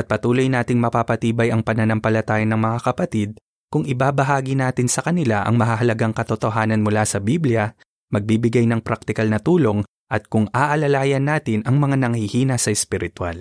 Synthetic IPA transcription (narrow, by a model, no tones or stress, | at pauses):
ʔɐt̪̚pɐt̪uːlo̞jnaːt̪ɪŋmɐpaːpɐt̪iːbɐjɐŋpɐnɐnɐmpɐlɐt̪aːjɐnɐŋmɐŋakɐpɐt̪id̪̚ | kʊŋɪbabɐɦaːɡɪnaːt̪ɪnsɐkɐnɪlaʔɐ̰ŋmɐɦaɦɐlɐɡaŋkɐt̪ot̪o̞ɦaːnɐnmʊlasɐbibljɐ | mɐɡ̚bibɪɡajnɐŋpɾak̚t̪ɪkɐlnɐt̪uːlo̞ŋ | ʔɐt̪̚kʊŋaːʔɐlɐlaːjɐnːaːt̪ɪnʔɐŋmɐŋanɐŋhihiːnɐsɐɛspɪɾɪt̪wa̰l